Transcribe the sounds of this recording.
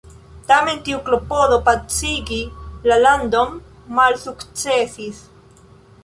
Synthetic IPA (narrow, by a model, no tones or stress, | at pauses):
t̪ament̪iuklopoðopat͡siɡilaland̪omː | alsukt͡sesis